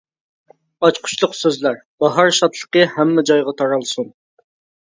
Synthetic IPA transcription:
ɑt͡ʃqʰʊ̥t͡ʃlˠʊqsøzlæɾb̥ɑɦɑɾʃɑt̪ʰlˠə̥qəhɛmːɛd͡ʒɑjʁɑt̪ʰɑɾɑlˠsun

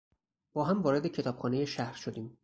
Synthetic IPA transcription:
b̥ɒːɦæmvɒːɾe̞d̪e̞cʰe̞t̪ʰɒːb̥xɒːneje̞ʃæhɾʃod̪iːm

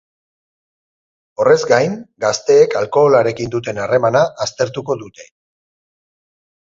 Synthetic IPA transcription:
o̞re̞zɡajŋɡast̪e̞ːkalko̞ːlaɾe̞kind̪ut̪̬e̞nare̞manaʔːst̪e̞ɾt̪uko̞ðut̪e̞

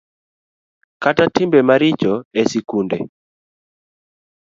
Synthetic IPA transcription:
katatɪmbɛmaɾɪt͡ʃɔɛsikundɛ̰

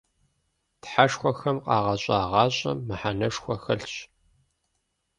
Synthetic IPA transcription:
tħaʂxʷɔxɐmqʼɑːʁɐɕʼɑːʁɑːɕʼɐ̰mːɨħanɐʂxʷɐxɐɬɕ

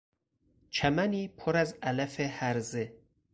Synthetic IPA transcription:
t͡ʃʰæmæniːpʰoɾæzælæfehæɾze

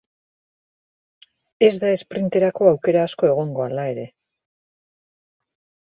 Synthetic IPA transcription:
e̞zd̪ae̞spɾint̪e̞ɾako̞awke̞ɾaːsko̞e̞ɣ̞o̞ŋɡo̞alae̞ɾe̞

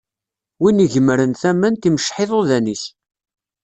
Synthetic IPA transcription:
winiʝəməɾənθæmːənt̪iməʃħeðˤoðænis

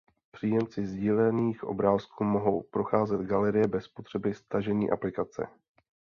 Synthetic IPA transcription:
pr̝̥iːjɛmt͡sɪzɟiːlɛniːxʔo̞̰bɾaːskuːmo̞ɦo̞wpɾo̞xaːzɛd̪ɡalɛɾɪjɛbɛspo̞t̪r̝̥ɛbɪst̪aʒɛɲiːʔa̰plɪkat͡sɛ̰

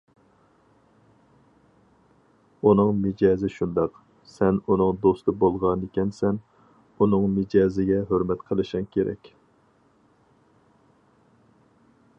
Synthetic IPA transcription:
unɨŋmɪd͡ʒɑːzɪʃund̪ɑq | sɛnunɨŋd̪ost̪ɨbolˠʁɑnekʲɛnsɛn | unɨŋmɪd͡ʒɑːzɪɡʲɛɦøɾmɛt̪qʰəlˠɨʃɪŋkʲʰeɾɛ̰kʲ

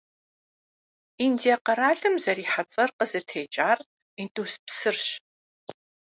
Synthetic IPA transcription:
indijɐqɐɾaːɮɨmzɐɾiːħat͡sʼɐrqəz̥ɨtʰeːt͡ʃʼaːr | intʼuːspsɨrɕ

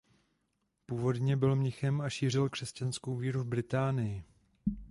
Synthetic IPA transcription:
puːvo̞dɲɛbɪlmɲɪxɛmaʃiːr̝ɪlkr̝̥ɛscanskowviːɾuvbɾɪt̪aːnɪjɪ

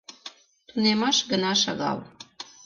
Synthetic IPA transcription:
t̪unemɑʃɡənɑʃɑ̰ɣɑ̰l

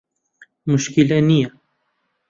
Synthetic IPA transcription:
mʊʃkilɛnijɛ

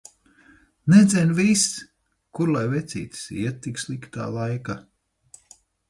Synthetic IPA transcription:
nɛd̪zʲɛnʲvis | kuɾlˠajvɛt̪sʲḭːt̪ʲsḭɛt̪̚ːikslˠikt̪a̰ːlˠajka

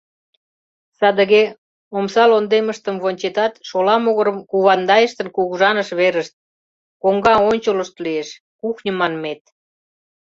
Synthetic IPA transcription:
sɑd̪ə̆ɣe | omsɑlond̪eməʃt̪əmβonʲt͡ɕet̪ɑt̪ʃolɑmoɣə̆ɾə̆mkuβɑnd̪ɑjəʃt̪ə̆nkuɣuʒɑnəʃβeɾəʃt̪̚ | koŋɡɑonʲt͡ɕoləʃt̪lieʃ | kuxnʲə̆mɑnmet̪

